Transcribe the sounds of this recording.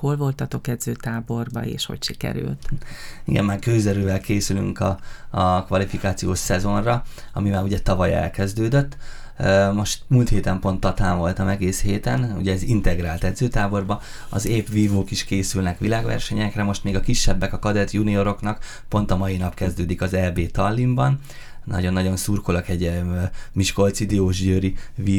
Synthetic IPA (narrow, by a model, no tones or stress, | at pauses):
ho̞lvo̞lt̪ɒt̪o̞kɛd̪zøːt̪aːbo̞rbɒ̰ḛːʃho̰cʃikɛ̰ɾy̰lt̪ḭɡɛ̰mːaːrkøːzɛɾøːvɛlkʰeːsyly̰ŋkɒ | kʋɒlifikaːt̪sijoːʃsɛzo̞nrɒ | ɒ̰mimaːɾuɟɛt̪ɒvɒjɛ̰lkɛzd̪øːd̪øt̪ː | mo̞ʃt̪mult̪heːt̪ɛmpo̞nt̪ːɒt̪aːɱvo̞lt̪ɒmɛɡeːsheːt̪ɛnṵɟɛːzint̪ɛɡraːlt̪ɛd̪zøːt̪aːbo̞rbɒ | ɒ̰zeːpʋiːvoːkiʃkeːsylnɛkʋilaːɡʋɛ̰rʃɛɲɛkrɛmo̞ʃt̪meːɡɒkiʃːɛbːɛkɒkɒd̪ɛt̪junio̞ɾo̞knɒk | pont̪ɒmɒjinɒpkɛzd̪øːd̪ikɒzɛlbeːt̪ɒlːimbɒn | nɒ̰ɟo̞nːɒɟo̞nsuːrko̞lokɛɟ | miʃko̞lt̪sid̪ioːʒɟøɾiʋiː